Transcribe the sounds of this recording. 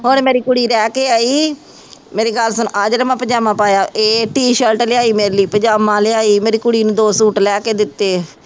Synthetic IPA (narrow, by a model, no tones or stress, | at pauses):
ɦoːɳmeːɾiːkʊɽiːɾɛːkeːaːiː | meːɾeːɡəlsənːʔaːd͡ʒɾəmãːpəɲd͡ʒaːmãːpaːjaːʔeːʈiːʃəlʈlɪaːiːmeːɾeliːpəɲd͡ʒaːmãːlɪaːiːmeːɾiːkʊɽiːnũːd̪oːsuːʈlɛːkeːd̪ɪt̪ːeː